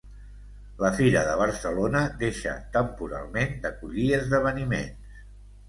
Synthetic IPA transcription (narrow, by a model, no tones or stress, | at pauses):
ləfiɾəðəβ̞əɾsəlonəd̪eʃə̰t̪əmpuɾa̰lˠmend̪əkuʎiəzðəβ̞ənimḛns